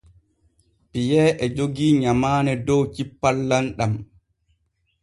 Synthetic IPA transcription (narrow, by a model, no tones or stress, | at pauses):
pijɛːʔɛd͡ʒoɡiːɲamaːnɛdɔwt͡ʃipːalːanɗam